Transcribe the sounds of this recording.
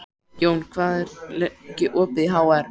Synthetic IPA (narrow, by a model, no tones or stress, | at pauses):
joːwnkʰvaːðɾlcɪʔɔːpɪðɦawaɾ